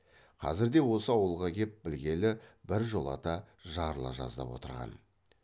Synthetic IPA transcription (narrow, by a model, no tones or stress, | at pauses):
qʰɑ̰zɪɾd̪e̞wo̞səɑwəlˠʁɑkʲe̞p̚bɪlɡʲe̞lɪbɪɾʒo̞lˠɑ̰t̪ɑ | ʒɑɾlˠɑ̰ʒɑ̰zd̪ɑ̰pwo̞̰t̪əɾʁɑ̰n